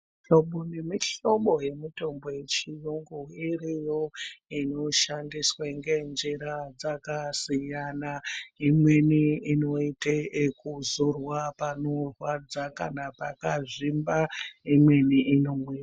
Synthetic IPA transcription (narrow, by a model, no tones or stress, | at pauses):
ɬo̞ɓone̞miɬo̞ɓo̞je̞mito̞mbo̞je̞t͡ʃiruŋɡuirijo̞ino̞ʃandiswaŋɡe̞nd͡ʒiɾad͡zakasijanaimwe̞niino̞itekuzorwapanorwad͡zakanapakaʐimbaimwe̞niino̞mweːra